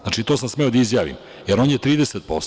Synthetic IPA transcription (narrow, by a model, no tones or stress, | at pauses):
znaːt͡ʃit̪o̞ːsamsme̞o̞d̪aizjaːʋḭm | jeɾo̞ːnjet̪ɾiːd̪eset̪̚po̞s